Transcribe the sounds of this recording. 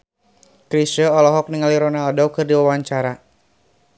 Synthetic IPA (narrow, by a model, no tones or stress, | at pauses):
kɾisəɔlɔɦɔk̚niŋaliɾɔnaldɔwkɨrdiwawaɲt͡ʃaɾa